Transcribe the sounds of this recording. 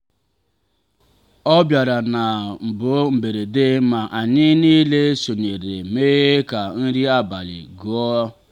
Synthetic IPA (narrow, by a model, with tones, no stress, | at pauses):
ɔ˦bja˨ɾa˨na˨m̩˨bʊ˨˦m̩˨be˨ɾe˨de˦ma˨ʔa˨ɲɪ˦niː˦le˦so˨ɲe˨ɾḛ˨me˦ɣe˦ka˨n̩˦ɾi˦a˦ba˨lɪ̰˨ɡu˨˦ɔ˦